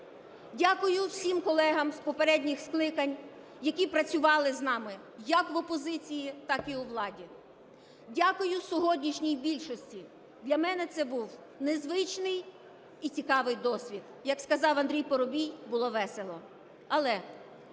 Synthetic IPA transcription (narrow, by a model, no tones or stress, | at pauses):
dʲakʊjʊwsʲimkɔlˠɛɦɐmspɔpeɾɛdʲnʲixsklˠɪkɐnʲ | jɐkʲipɾɐt͡sʲʊʋɑlˠɪznɑmɪ | jɐkʋɔpɔzɪt͡sʲijit̪ɑkiuʋlˠɑdʲi | dʲakʊjʊsʲɔɦɔdʲnʲiʃnʲijbʲilʲʃɔsʲtʲi | d̪lʲɐmɛnɛt̪sɛbuw | nezʋɪt͡ʃnɪj | it͡sʲikɑʋɪjd̪ɔsʲʋʲid̪jɐkskɐzɑwɐnd̪ʲɾʲijpɔɾɔbʲijbʊlˠɔʋɛselˠɔ | ɐlˠɛ